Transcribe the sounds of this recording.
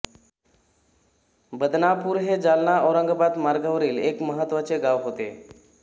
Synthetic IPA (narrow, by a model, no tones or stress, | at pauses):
bəd̪napuːɾɦed͡zalnaʔɔɾəŋɡʱəpat̪maɾɡəʋɾiːlekməɦət̪ːʋat͡seɡaʋɦot̪ḛ